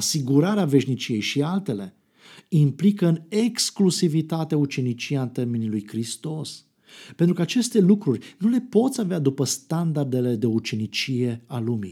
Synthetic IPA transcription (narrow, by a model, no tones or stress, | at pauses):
asiɡuɾaɾeave̞ʃnit͡ʃije̞jʃialt̪e̞le̞ | implikəɨneksklusivit̪at̪eut͡ʃe̞nit͡ʃijaɨnt̪e̞rmenilujkɾist̪o̞s | pe̞nt̪ɾukəat͡ʃe̞st̪e̞lukɾurʲnule̞po̞t̪sʲavead̪upəst̪and̪ard̪e̞le̞d̪e̞ut͡ʃe̞nit͡ʃije̞alumḭ